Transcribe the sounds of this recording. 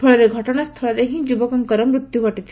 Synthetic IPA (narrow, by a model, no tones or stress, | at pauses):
pʰɔɭɔɾeɡʱɔʈɔɽ̃ast̪ʰɐɭɔɾeɦĩd͡ʒubɔkɔŋkɔɾɔmɾut̪jukɔʈit̪ʰi